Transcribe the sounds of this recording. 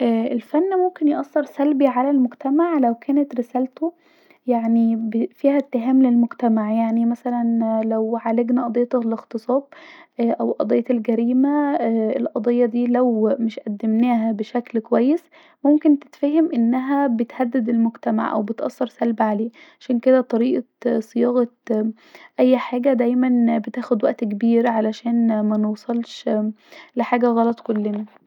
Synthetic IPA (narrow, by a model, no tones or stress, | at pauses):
ʔæːʔelfænːmomkenjʔɑsˤːeɾsælbiʕalælmʊɡt̪æmaʕlæwkʰæːnet̪ɾɪsæːlt̪o | jaʕnibfiːhæt̪ːɪɦæːmlelmoɡt̪æmaʕjaʕnimæsælænlæwʕaleɡnæʔɑd̪ˤej̪ːlɪxt̪ɨsˤɑːb̚ʔʔæwʔɑd̪ˤejːlɡæɾiːmæelʔɑd̪ˤejːɑd̪iːlæwmɪʃʔæd̪ːemnæːɦæbeʃæklkowæjːes | momkent̪e̥t̪fæːhemʔenːæɦæbet̪hæd̪ːed̪elmoɡt̪æma̰ʕʔæ̰wbet̪ʔɑ̰sːɑɾˤsælbʕaleːʕaʃæːnked̪æt̪ˤɑɾiːʔɑ | sɨjɑːɣɑ | ʔæjːħaːɡæd̪æjmænbet̪æːxod̪wæʔt̪kebiːɾʕalæʃæːnmænewsˤɑlʃ | lɪħaːɡæɣɑlɑt̪ˤkolːenæ